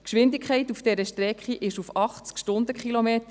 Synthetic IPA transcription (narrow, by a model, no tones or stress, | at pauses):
kʃʋɪndɪkχɛɪtufd̥ɛɾəʃtɾɛkχiʔɪʃufɑχt͡skʃtʊnd̪əkχilomeːt̪ə